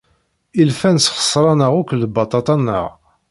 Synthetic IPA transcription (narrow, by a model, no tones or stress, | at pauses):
ilfænsχə̥sˤːɾˤɑnəʁukʷləbɑt̪ˤɑt̪ˤɑnːə̰ʁ